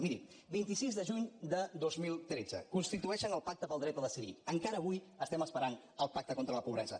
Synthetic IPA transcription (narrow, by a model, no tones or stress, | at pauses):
miɾḭ | bint̪isizðəʒuɲd̪əðozmilˠt̪ɾed͡zə̰kunst̪it̪uɛʃənəlˠpak̚t̪əpəlˠd̪ɾɛt̪əðəsiβḭəŋkaɾəːβuj | əst̪ɛməspəɾan | əlˠpak̚t̪əkont̪ɾələpuβɾɛ̰zə̰